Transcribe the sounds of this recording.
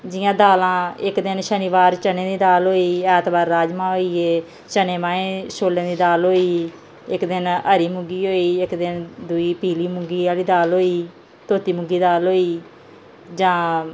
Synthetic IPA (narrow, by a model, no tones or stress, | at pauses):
d͡ʒɪjãːd̪aːlãːɪkd̪ɪnʃəniʋaːɾt͡ʃənẽːd̪iːd̪aːlɦoːiːɛːt̪baːɾːaːd͡ʒmãːɦoːiːeː | t͡ʃəneːmãːẽːsoːlẽːd̪iːd̪aːlɦoːiː | ɪkd̪ɪnəɾiːmʊɡiːɦoːiːɪkd̪ɪnd̪ʊiːpiːliːmʊɡiːaːliːd̪aːlɦoːiː | t̪oːt̪iːmʊɡiːd̪aːlɦoːiː | d͡ʒãː